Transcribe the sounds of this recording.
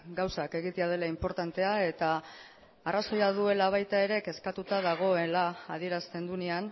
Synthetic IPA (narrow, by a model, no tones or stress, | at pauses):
ɡawsake̞ɣit̪e̞að̞e̞laimpo̞ɾt̪ant̪e̞ae̞t̪aː | raso̞jaðue̞laβ̞ajt̪ae̞ɾe̞ke̞skat̪ut̪að̞aɣ̞o̞elaːð̞ie̞ɾast̪e̞nd̪unean